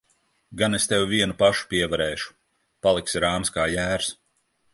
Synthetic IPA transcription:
ɡanest̪ewviɛnupaʃu̥pʲiɛvaɾɛːʃu̥ | palˠiksiɾaːmskaːjæːɾs

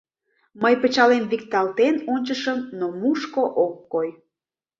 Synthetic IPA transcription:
məjpət͡ɕɑlemβik̚t̪ɑlt̪enonʲt͡ɕəʃəmnomuʃkoʔokːoj

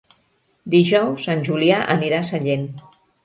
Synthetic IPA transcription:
d̪iʒɔwsːanʲʒuliaʔə̰niɾasəʎen

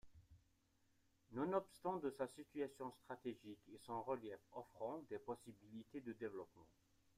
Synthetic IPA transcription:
nɔ̃nɔpst̪ɑ̃d̪əsasit̪yasjɔ̃st̪χat̪eʒikesɑ̃ʁəljɛfɔfχɑ̃d̪ɛpɔsibilit̪ed̪əd̪evlɔpmɑ̰̃

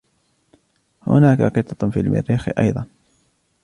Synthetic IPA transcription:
hʊ̰naːkaqɨt̪ˤːɑfiːlmɪ̰ɾːiːxɪ̰ʔɑ̰jðˤɑn

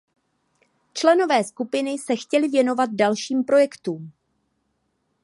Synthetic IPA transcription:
t͡ʃlɛno̞vɛːskupɪnɪsɛxcɛlɪvjɛno̞vat̪̚dalʃiːmpɾo̞jɛkt̪uːm

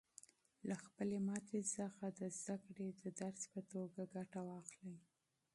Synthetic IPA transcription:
laxpəlemɑt̪ezəxad̪əzd̪akɽed̪əd̪aɾspət̪oɡaɡaʈawɑxlij

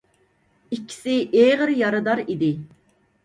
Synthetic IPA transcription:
ikʲʰːi̥sɪʔeʁəɾjɑɾɨd̪ɑɾid̪ɪ

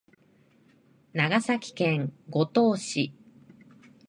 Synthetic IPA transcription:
naɡasakʲi̥kẽ̞ŋɡo̞t̪o̞ːɕi

